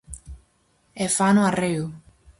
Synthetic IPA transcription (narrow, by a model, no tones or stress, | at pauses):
efanuarew